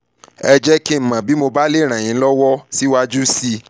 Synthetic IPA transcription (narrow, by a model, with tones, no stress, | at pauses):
ɛ˧d͡ʒɛ˦ki˦m̩˨mã˨bi˨˦mo˧ba˦le˦˨ɾ̃ã˨j̃ĩ˨˦lɔ˦wɔ˦si˦wa˦d͡ʒu˦si˧